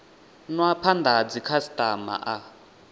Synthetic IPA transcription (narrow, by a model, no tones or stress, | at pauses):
nwapʰand̪ad͡zikʰasitʼama̰ʔa